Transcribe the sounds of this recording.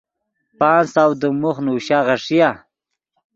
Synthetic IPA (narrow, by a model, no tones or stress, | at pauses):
paːnsawd̪əmuχnuɕaʁaʂija